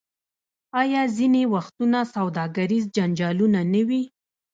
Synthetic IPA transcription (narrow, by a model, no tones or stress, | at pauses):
ɑjɑzinewaxt̪unasawd̪ɑɡaɾizd͡ʒand͡ʒɑlunanəwi